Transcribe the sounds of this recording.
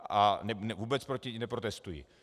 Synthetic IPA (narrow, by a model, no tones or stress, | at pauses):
anɛnɛvuːbɛt͡spɾocɪɲnɛpɾot̪ɛst̪ujḭ